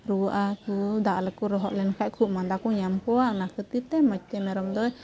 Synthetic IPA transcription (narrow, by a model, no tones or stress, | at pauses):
ɾuʔakud̪aʔlɛkuɾɔɦɔʔlɛnkʰaʔkʰuʔmand̪akuɲamkɔaʔnakət̪it̪ɛmat͡ʃ̚t̪ɛmɛɾɔmd̪ɔj